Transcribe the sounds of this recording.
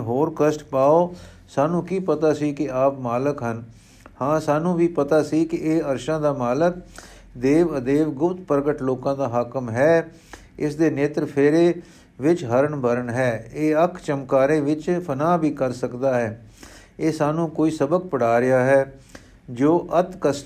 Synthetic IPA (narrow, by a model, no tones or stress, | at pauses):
ɦoːɾkəsʈpaːoː | saːnũːkiːpət̪aːsiːkɪaːpmaːləkɦən | hãːsaːnũːʋiːpət̪aːsiːkɪeːəɾʃãːd̪aːmaːlək | d̪eːʋəd̪eːʋɡʊpt̪pəɾɡəʈloːkãːd̪aːɦaːkəmɦɛː | ɪsd̪eːneːt̪ɾpʰeːɾeː | ʋɪt͡ʃɦəɾəɳbəɾəɳɦɛːeːəkʰt͡ʃəmkaːɾẽːʋɪt͡ʃpʰənaːbʱiːkəɾsəkd̪aːɦɛː | eːsaːnũːkoːiːsəbək̚pəɽ̤aːɾɪaːɦɛː | d͡ʒoːʔət̪kəsʈ